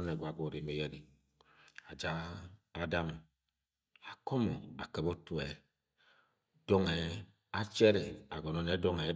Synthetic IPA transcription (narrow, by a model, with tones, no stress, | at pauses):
ne˨ɡwa˨ɡo˨ɾe˨me˨jɛ˦ni˨ | a˨d͡ʒa˦a˦da˦m | a˨kɔ˦mo˨a̰˨ke˨bo˦tu˦ɛ˨ | d̥ɔ˦ŋɛ˨ | a˦t͡ʃɛ˦ɾe˨a̰˨ɡɔ˨nɔ˦ne˨˦dɔ˦ŋe˨˦